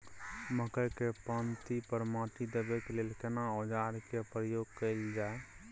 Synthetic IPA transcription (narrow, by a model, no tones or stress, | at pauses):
məkəjkepãnt̪ipəɾmãːʈ̪id̪əbekelelkenaod͡ʒaːɾkepɾəjoːɡkəɪld͡ʒaːe